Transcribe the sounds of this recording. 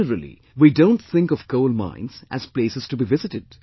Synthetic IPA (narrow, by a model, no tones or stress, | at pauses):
əɾəlḭ | widõʊ̃nʈθɪ̃ŋkɔvkoʊlmã̰ɪ̃nz̥ʔæz̥pleːsɨz̥tubivɪzɨtɨd̥